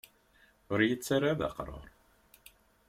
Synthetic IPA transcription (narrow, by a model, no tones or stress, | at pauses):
ʊɾjit͡sːarːaða̰qɾˤə̰ɾˤ